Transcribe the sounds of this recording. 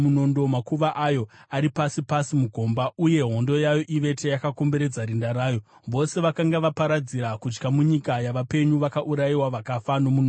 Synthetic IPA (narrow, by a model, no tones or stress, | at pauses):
muno̞ndo̞makuʋaʔajo̞aɾipasipasimuɡʱo̞mbauje̞ɦo̞ndo̞jajo̞ʔiʋe̞tejakako̞mbe̞ɾe̞d͡zaɾindaɾaːjo̞ʋo̞se̞ʋakaŋɡaʋapaɾad͡ziɾakut͡ʃkamuɲikajaʋape̞ɲuʋakaʔuɾaiwaʋakafano̞muno